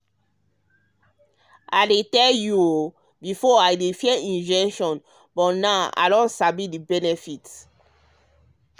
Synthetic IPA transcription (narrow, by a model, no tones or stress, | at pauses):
ʔaletɛlju | bifɔajdefjɛʔĩnd͡ʒɛ̃ŋʃɔ̃n | bɔtnaa̰dɔ̃nsabidibɛnɛfit